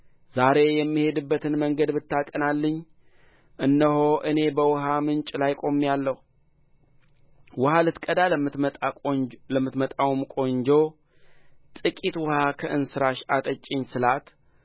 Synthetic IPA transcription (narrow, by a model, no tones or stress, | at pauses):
zaɾe̞jɛmːihe̞d̪ɨbːət̪ɨnməŋɡəd̪bɨt̪ːakʼənalːɨɲː | ʔɨnːəɦoʔɨne̞bəwʊɦamɨnt͡ʃʼlajkʼo̞mːjalːəhu | wʊhalɨt̪kʼəd̪a | ləmːɨt̪mət̪ʼawmkʼo̞ɲd͡ʒo | t̪ʼɨkʼit̪wʊhakʰəʔɨnsɨɾaʃat̪ʼət͡ʃʼɪɲsɨlat̪